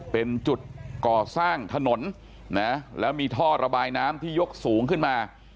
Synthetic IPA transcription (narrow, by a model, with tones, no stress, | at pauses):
pe˧nt͡ɕu˨˩t̪̚kɔː˨˩saː˥˩ŋt̪ʰa˧no˩˦n | na˦˥lɛː˦˥wmiː˧t̪ʰɔː˥˩ɾa˧baː˧jnaː˦˥mt̪ʰiː˥˩jo˦˥k̚suː˩˦ŋkʰɯ˥˩nmaː˧